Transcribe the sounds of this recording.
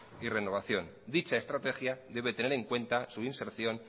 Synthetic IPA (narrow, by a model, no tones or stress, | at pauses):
ire̞no̞β̞aθjo̞n | d̪it͡ʃae̞st̪ɾat̪e̞xjaðe̞β̞et̪e̞neɾe̞ŋkwe̞nt̪asuinseɾθjo̞n